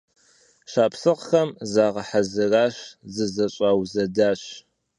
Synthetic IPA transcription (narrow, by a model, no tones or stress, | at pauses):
ʃaːpsɨqxɐmzaːʁɐħazɨraːɕzɨzɐɕʼaːwzɐdaːɕ